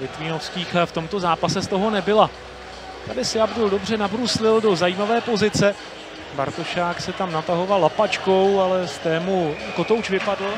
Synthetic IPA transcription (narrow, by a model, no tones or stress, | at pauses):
vɪt̪viːnosciːxft̪o̞mt̪o̞zaːpasɛst̪o̞ɦo̞nɛbɪla | t̪adɪsɪabduldo̞brɛnabɾuslɪldo̞zajiːmavɛːpo̞zɪt͡sɛ | ba̰ɾt̪o̞ʃaːksɛt̪amnat̪aɦo̞valːapat͡ʃko̞walɛst̪ɛːmujakot̪owt͡ʃvɪpadl̩